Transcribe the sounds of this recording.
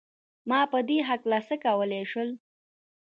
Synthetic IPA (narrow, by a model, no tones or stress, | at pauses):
mɑpəd̪eɦaklasəkawəleʃwəl